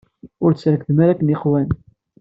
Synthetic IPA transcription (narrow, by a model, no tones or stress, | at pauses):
ʊɾt͡sɾəkðəməɾækːəniqwæn